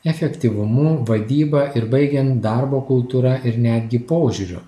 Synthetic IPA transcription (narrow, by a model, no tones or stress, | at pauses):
ɛfʲɛkʲt̪ʲiʋʊmʊʋɐd̪ʲiːbɐʔɪɾbɐɪɡʲɛnt̪d̪ɑˑɾboːkʊlˠt̪uːɾɐʔɪɾnʲæd̪ʲɡʲɪpoːʒʲuɾʲʊ̰